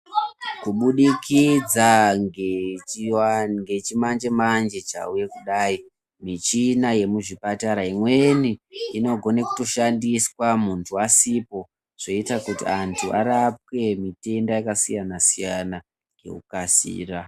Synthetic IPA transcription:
kuɓuɗikʰid͡za | ŋɡe̞t͡ʃimand͡ʒe̞mand͡ʒe̞t͡ʃa̰uje̞kuɗaːi | mit͡ʃinaje̞muʐipataɾaimwe̞niino̞ɡʱo̞neku̥to̞ʃandiswamuntʰuasipo̞ | ʐ̥o̞itakutiantʰuaɾap̚ke̞mite̞ndajakasijanasijana | ɡe̞̰kukasḭːra

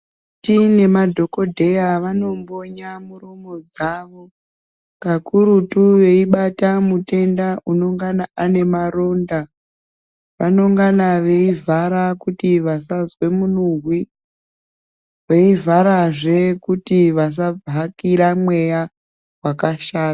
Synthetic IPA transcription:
tine̞madʱo̞ko̞dʱe̞jaʋano̞mbo̞ɲamurumo̞d͡zaʋo̞ | kakuɾutuʋe̞iɓatamute̞ndaʔuno̞ŋɡanaʔane̞maɾo̞nda | ʋano̞ŋɡanaʋe̞ivʱaɾakutiʋasazwe̞munuɦwi | ʋeivaɾaʐe̞kutiʋas̬abakiɾamwe̞ja | wakaʃaːta

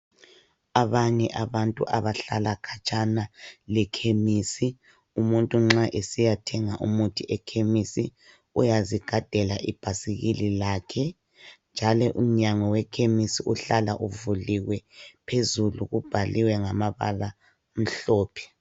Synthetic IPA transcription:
aβaɲɛʔaβantʼṵʔaβaɬalakʰat͡ʃʼanalɛkʰemisi | umuntʼuŋ͡ǁaʔesijatʰɛŋaʔumutʰiʔɛkʰemisi | ujaziɡ̥ʱad̥ʱɛlaʔḭb̥ʱasiɣililaːkʰɛ | nd͡ʒʱalɔʔum̩ɲaŋɔwɛkʰemisiuɬala̰ʔuvuliɣwɛpʰezuluɣub̥ʱaliwɛŋamaβa̰la | m̩ɬɔːpʰɛ̥

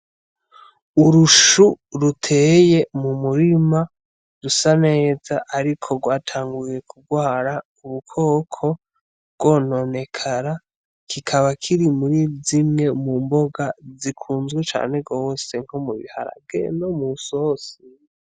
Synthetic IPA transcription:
uɾuʃuɾutʰe̞ːje̞mumuɾima | ɾusane̞ːzaʔaɾikʰo̞ɡwaːtʰaːŋɡuje̞kub̚ɡwaːɾa | uβukʰo̞ːkʰo̞ | ɡwo̞no̞ne̞kʰaɾa | kʰikʰaβakʰiɾimuɾizimŋe̞mumbo̞ɡazikʰuːnzɡwet͡ʃa̰ːne̞ɡose̞ŋ̥homuβḭha̰ɾa̰bɡe̞̰nomusosi

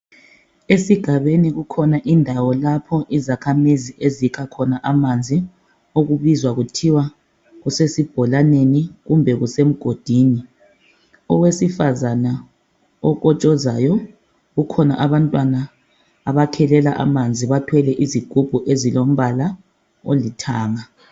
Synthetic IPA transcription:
esiɡ̥ʱaβeniɣukʰɔnaʔindʱawɔlapʰɔʔizakʰamiziʔezikʰakʰɔnaʔamand͡zʱi | oɣuβizwaɣutʰiwa | ɣusesib̥ʱɔlaneniɣumbʱɛɣusem̩ɡ̥ʱod̥ʱiːni | ɔwesifazana | ɔɣɔt͡ʃʼɔzajɔ | ɣukʰɔna̰ʔaβantʼwanaː | βakʰɛlɛlaʔa̰mand͡zʱiβatʰwɛlɛʔiziɡ̥ʱub̥ʱuʔezilom̩βala | olitʰaːŋa

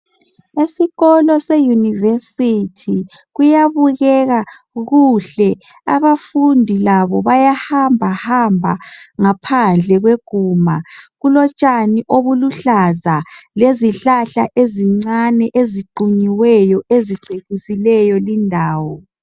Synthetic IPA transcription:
esiɣɔlɔsejunivesitʰiɣujaβuɣɛɣa | ɣuɬɛ | aβafundʱilaβɔβajahambʱahambʱaŋapʰand͡ɮʱɛɣweɡ̥ʱuːmaɣulɔt͡ʃʼaniʔoβuluɬazaleziɬaɬa̰ʔeziŋ͡ǀanɛʔeziǃuɲiwɛjɔʔeziǀʱeɣisilɛjɔlindʱaːwɔ

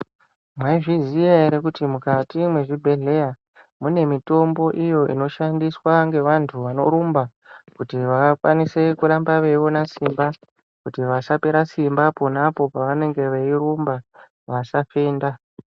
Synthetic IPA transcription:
mwaiʐizijaeɾekutimukatimwe̞ʐibʱe̞ɮe̞ja | mune̞mito̞mbo̞ʔijo̞ʔḭno̞ʃandiswaŋɡe̞ʋantʰuʋano̞ɾumba | kutiʋakwanise̞kulambaʋe̞ʋo̞nasimba | kutiʋasape̞ɾasimbaponapo̞paʋane̞ŋɡe̞ʋeiɾumba | ʋasafeːnda

